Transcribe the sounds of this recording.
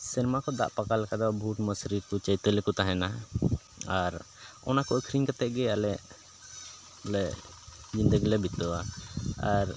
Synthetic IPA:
siɾmakɔd̪a̰ʔpakalɛkad̪ɔbʱuʈməsɾiɾkɔt͡ʃəjt̪əlɛkut̪aɦɛna | aɾ | ɔ̰nakɔəkʰɾiŋkat̪ɛʔɡɛalɛʔ | lɛ | d͡ʒind̪əɡilɛbit̪ɔaaɾ

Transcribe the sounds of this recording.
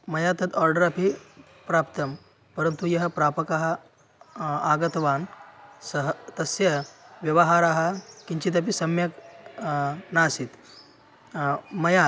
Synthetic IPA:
mɐjat̪ət̪ʰɔɾɖəɾapi | pɾapt̪əm | pəɾənt̪ujɐɦəpɾapəkaɦa | aɡət̪ʋansəɦət̪ɐsjɐʋjɐʋəɦaɾaɦəkiɲt͡ɕit̪̬ɐpisɐmjək | nasit̪ | mɐja

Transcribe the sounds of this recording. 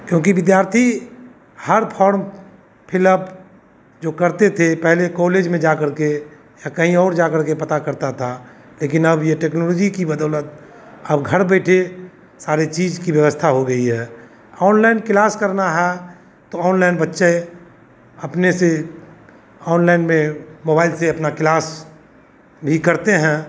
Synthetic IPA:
kjõːkiʋɪd̪jaːɾt̪ʰi | həɾpʰɔːɾm | pʰɪləb | d͡ʒoːkəɾt̪et̪ʰepɛɦlekɔːleːd͡ʒmẽd͡ʒakəɾke | jakəɦĩɔːɾd͡ʒakəɾkepɐt̪akəɾt̪at̪ʰa | leːkɪnəbjeʈeːknɔːloːd͡ʒikibəd̪ɔːlət̪̚ | əbɡʱəɾbɛːʈʰe | saːɾet͡ʃiːd͡ʒkibjəʋəst̪ʰaɦoɡəiɦɛː | ɔːnlaɪnkɪlaːskəɾnaɦɛ | t̪oɔːnlaɪnbətːʃe | ɐpnese | ɔːnlaɪnmẽmoːbaːɪlseɐpnaklaːs | bʱikɐɾt̪eɦɛ̃ː

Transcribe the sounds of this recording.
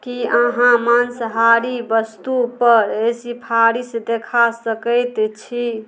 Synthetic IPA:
kiəɦãmansɦaɾibəst̪upəɾesipʰaɾisd̪ekʰasəkəɪt̪t͡ʃʰi

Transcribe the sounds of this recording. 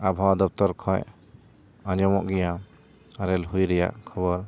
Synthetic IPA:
abʱawad̪ɔp̚t̪ɔɾkʰɔj | aɲɔmɔʔɡɛja | aɾɛlɦujɾɛja̰ʔkʰɔβɔɾ

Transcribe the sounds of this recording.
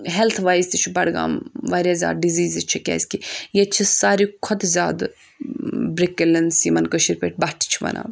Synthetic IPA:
ɦelt̪ʰʋaːizʲt̪it͡ʃʰibɐɽɡa̰ːmʋaːɾʲjazʲa̰ːd̪̚ɖiziːzit͡ʃʰikʲɛ̰ːsʲkijet͡ʃʰisaːɾikʰɔt̪zʲaːd̪ | bɾikelɐnsimɐnkəʃiɾpʲeʈ̚ʰʲbɐʈʰi̥t͡ʃʰiʋɐ̰nʔa̰ː

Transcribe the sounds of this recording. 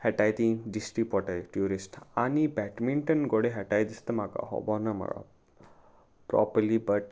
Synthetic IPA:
hɛʈajt̪ĩɖisʈipɔʈajʈjuɾisʈanibɛʈmiɳʈənɡɔɽeɦɛʈajd̪ist̪əmaka̰ɦɔ̰bɔnama̰ɾa̰ | pɾɔ̰pəlibəʈ

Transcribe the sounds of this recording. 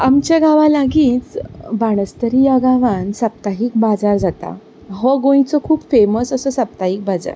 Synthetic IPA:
amt͡ɕjaɡaʋalaɡiːt͡sbaɽ̃əst̪əɾijaɡaʋãnsap̚t̪aɦiːkbad͡zaɾd͡zat̪a̰ | ɦɔɡõjĩt͡sɔkʰuːpfeməsəsəsəp̚t̪aɦik̚bad͡za̰ɾ

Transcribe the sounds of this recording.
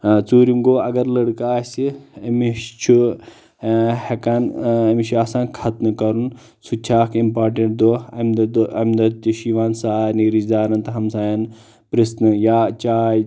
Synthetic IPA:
t͡suːɾiŋɡoːɐɡɐɾlɐɽkaːsiɐmit͡ʃʰu | hekɐnɐmiʃʰuasãːkʰɐt̪nɨkɐɾun | sut͡ʃʰaːkʰimpaːɾʈeɳʈ̚d̪oːɐmd̪d̪ɐmd̪ɐt̪iʃiʋaːnsaːniɾid͡ʒd̪aːɾɐnt̪ɐɦɐmsãːjɐn | pɾisnɨjaːt͡ʃaːj

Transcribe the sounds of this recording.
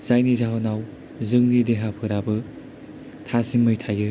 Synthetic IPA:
z̥ajnizaɦɔnaw | zɯŋnideɦapʰɯɾabɯ | tʰasimmɯjtʰajɯ

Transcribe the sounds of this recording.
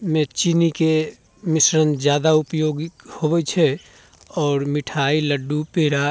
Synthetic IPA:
mẽt͡ʃinike | mɪsɾənd͡ʒjaːd̪aʊpjoːɡhobɛt͡ʃʰɛ | ɔːɾmɪʈʰailəɖupeɾa

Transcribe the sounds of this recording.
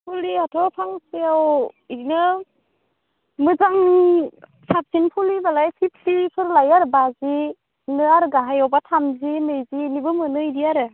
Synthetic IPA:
pʰuliatʰɔpʰaŋseawinɯ | mɯzaŋ | sap̚sinpʰulibalajpʰipʰlipʰɯɾlajaɾbazi | nɯaɾɡaɦajɔwbatʰamzinɯjzinibɯmɯnɯidiaɾɯ

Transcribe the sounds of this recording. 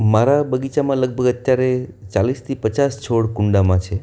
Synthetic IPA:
maɾabəɡit͡ʃamãləɡ̚bʱəɡət̪jaɾet͡ʃalist̪ʰipət͡ʃast͡ʃʰoɽkuɳɖamãt͡ʃʰe

